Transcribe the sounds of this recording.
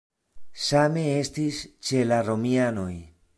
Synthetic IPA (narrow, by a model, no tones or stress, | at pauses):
same̞e̞stist͡ʃe̞laɾo̞miano̞j